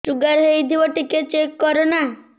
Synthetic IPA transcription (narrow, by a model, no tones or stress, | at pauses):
ʈɾuɡaɾɦejd̪ʱiʋɔʈiket͡ʃekːɔɾona